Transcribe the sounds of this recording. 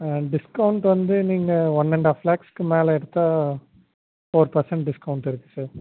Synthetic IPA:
ɖɪskɐʊɳʈʋɐnd̪ɯniːŋɡɐɔnːɛɳɖaːflaːkskɯmeːlɐɛɽɯt̪ːaː | foːɾpɐɾsɛɳʈɖɪskɐʊɳʈɪɾɯkːɯ̥saːɾ

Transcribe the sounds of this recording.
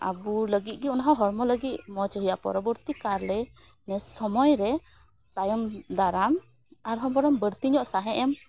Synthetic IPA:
a̰buləɡit̪̚ˀɡɛunaɦawɦɔɾmɔləɡit̪̚mɔt͡ʃəɦijaʔpɔ̰ɾɔbəɾt̪ikaɾlɛ | nɛsɔmɔjɾɛ | t̪ajɔmd̪aɾam | aɾɦɔmbɔɽɔmbəɾt̪iɲɔʔsaɦɛʔɛm

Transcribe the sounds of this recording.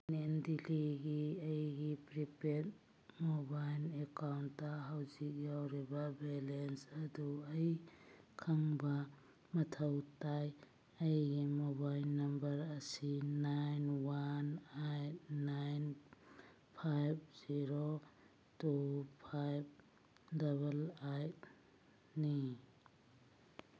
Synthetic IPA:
nendiliɡiɐjɡipɾipet̚ | mobajlekawntːɐɦawzik̚jawɾibɐbelensɐduɐjkʰɐŋbɐ | mɐtʰɐwtaj | ɐjɡimobajlnɐmbɐɾɐsinajnwanajt̚ːajn | pʰajp̚ʰz̥iɾo | tupʰajp̚ | dɐβɐlajt̚ | ni

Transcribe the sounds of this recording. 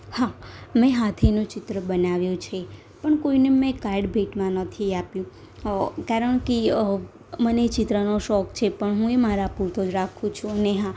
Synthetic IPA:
hamɛ̃ɦat̪ʰenũt͡ʃɪt̪ɾəbənaʋjũt͡ʃʰe | pəɳkoinemẽkajɖbʱeʈmãnət̪ʰiapjũ | kaɾəɳki | mənet͡ʃɪt̪ɾənoʃɔkt͡ʃʰepəɳɦũemaɾapuɾt̪od͡ʒɾakʰũt͡ʃʰũəneɦã

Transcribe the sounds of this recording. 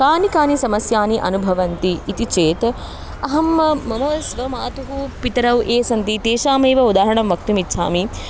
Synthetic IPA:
kaːnikaːnisɐmɐsjaːniʔɐ̰nubʱɐʋɐnt̪iːt̪it͡ʃeːt̪ | ɐɦɐmɐmɐnɐːʃʋɐmaːt̪uɦupit̪ɐɾɐwʔeːsɐnt̪it̪eːʃaːmeːʋɐud̪aːɦɐɳɐmʋɐk̚t̪umitːʃʰa̰ːmi

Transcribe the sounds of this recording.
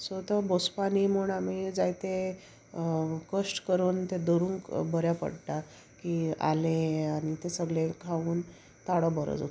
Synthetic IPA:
sɔt̪əbospanimuːɳamid͡zajt̪e | kəʂʈkəɾuːnt̪ed̪oɾuːŋkbəɾjapə̰ɽʈ̪a | kia̰leaɽ̃it̪esəɡɭekʰauːn | t̪aɽɔbəɾə̰d͡zo̰t̪

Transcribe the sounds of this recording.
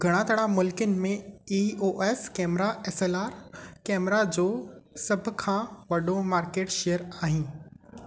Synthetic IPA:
ɡʱɐɽ̃ãːt̪ʰəɽamʊlkənɪ̆mẽiːoːʔeːskɛːmɾaɛːseːlaːɾkɛːmɾad͡ʑoːsɐbʱʊ̆kʰãːʋɐɗomaːɾkeːʈʃejəɾaːɦĩː

